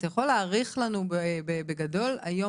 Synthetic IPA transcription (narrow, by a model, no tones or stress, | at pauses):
tajaχo̞lːeaʁiχlanubbebeɡado̞la̰jo̞